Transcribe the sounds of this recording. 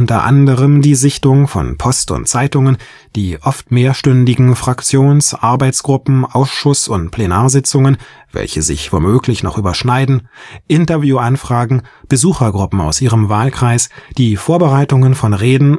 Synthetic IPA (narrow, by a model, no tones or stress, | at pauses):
ʔʊntɐ̰ʔa̰ndəʁəmdiːzɪçtʊŋfɔ̰npʰɔstʊ̰ntt͡saɪtʊŋən | d̥iːʔɔftmeːɐʃtʏndɪɡŋ̩fʁ̥akt͡sjoːnsʔaɐbaɪt͡sɡ̥ʁʊpm̩ʔaʊsʃʊsʊntpʰl̥enaːɐzɪt͡sʊŋən | vɛ̰lçəzɪ̰çv̥o̰ːmøːklɪçnɔ̰χʔyːbɐʃnaɪdn̩ʔɪntɐvjuːʔanfʁ̥aːɡŋ̩ | b̥əzuːxɐɡʁʊpm̩a̰ʊsʔiːʁəmvaːlkʁ̥aɪsd̥iːfoːɐbəʁaɪtʊŋənfɔnʁeːdn̩